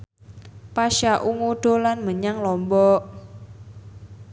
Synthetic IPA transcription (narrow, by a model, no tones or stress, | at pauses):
paʃaʔuŋuɖ̥o̤lanməɲaŋlɔmbɔ